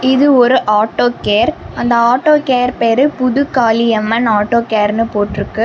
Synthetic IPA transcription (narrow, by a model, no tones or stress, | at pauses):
ɪðɯɔɾɯʔaːʈːoːkeːɾ | ɐnd̪ɐaːʈːoːkeːɾpeːɾɯpʊðʊkaːlɪɛmːɐnaːʈːoːkeːɾnɯpoːʈːɪɾɯkːɯ